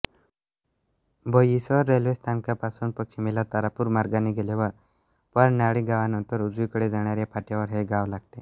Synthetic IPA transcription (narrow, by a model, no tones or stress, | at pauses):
bəjisəəɾːelʋest̪ʰamkapasunpəkt͡ʃʰimilat̪aɾapuɾmaɾɡaneɡelaʋəɾ | paɾnaɽiɡaʋanənt̪əɾud͡zikəɽed͡zaɽ̃jaɾjapʰaʈjaʋəɾɦeɡaʋlaɡ̚t̪e